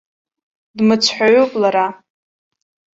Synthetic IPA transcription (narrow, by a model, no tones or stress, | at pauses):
dmɨt͡sʷʰħʷaɥopʼlaɾa